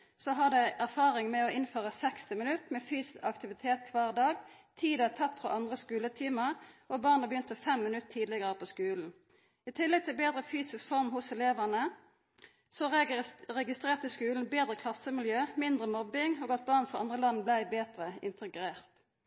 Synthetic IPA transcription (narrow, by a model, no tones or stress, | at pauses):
sɔɦɑʁd̪ɛɪʔæʁfɑːʁɪŋmɛɔɪnføːʁəsɛkst̪ɪmɪnʉt̪mɛfyːsɪsɑkt̪ɪʋɪt̪ʰeːt̪kʰʋɑːʁd̪ɑːɡ | t̪ʰiːd̪ət̪ʰɑt̪fʁɔ̰ʔɑnd̪ʁəskʉːlət̪ʰiːməʁʔɔbɑːʁnəbəjʏnt̪əfɛmːɪnʉt̪ʰːiːd̪lɪɡəʁəpʰɔskʉːln̩ | ɪt̪ʰɪlːɛɡ̚t̪ʰɪlbeːd̪ʁəfyːsɪskfɔʁmhʊsɛleːʋəʁnə | sɔʁɛɡɪst̪ʁeːʁt̪əskʉːln̩beːd̪ʁəkʰlɑsːəmɪljøːmɪnd̪ʁəmɔbːɪŋoːɡɑt̪̚bɑːʁnfɔʁɑ̰nd̪ʁəlɑnːblæɪbeːt̪ʁəɪ̰nt̪ʰəɡʁeːʁt̪